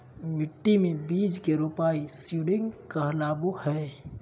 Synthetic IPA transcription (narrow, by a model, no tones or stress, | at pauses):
mɪʈːimẽbiːd͡ʒkeɾupaisiɽɪŋɡkəɦlabuhɛ